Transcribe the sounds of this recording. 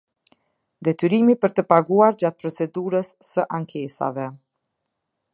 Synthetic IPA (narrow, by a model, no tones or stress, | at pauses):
d̪ɛt̪yɾimipəɾt̪əpaɡuaɾd͡ʑat̪̚pɾɔt͡sɛd̪uɾəsːəʔaŋkʰɛsa̰vɛ